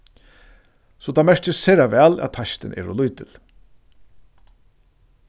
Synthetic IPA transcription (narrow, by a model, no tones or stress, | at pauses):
sɔt̪ʰaːmɛʂt͡ʃɪsɛːɾaʋɛːlɛ̰t̪t̪ʰːaʃt̪ɪnɛ̰ːɾʊlujt̪ɪl